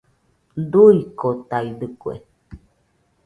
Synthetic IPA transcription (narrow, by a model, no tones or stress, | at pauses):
d̪uikot̪aid̪ɨkwḛ